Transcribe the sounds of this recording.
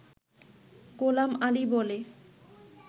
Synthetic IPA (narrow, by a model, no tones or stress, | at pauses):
ɡolamalibole